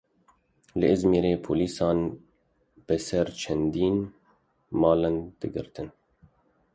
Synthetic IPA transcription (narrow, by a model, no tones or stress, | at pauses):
lɨʔɨzmeːɾeːpʰo̰ːliːsɑːn | b̥ɨsɛɾt͡ʃʰɛnd̪iːn | mɑːlɛnd̪̥ɨɡɨ̰ɾt̪ɨn